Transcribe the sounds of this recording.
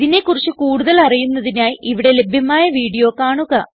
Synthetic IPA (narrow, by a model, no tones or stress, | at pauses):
ðine̞kːurit͡ɕːɨkuːɽuðɐlɐrijunːɐðinaːjiʔiʋiɽe̞le̞bʱjɐmaːjɐʋiːɽijo̞ːkaːɳuɣɐ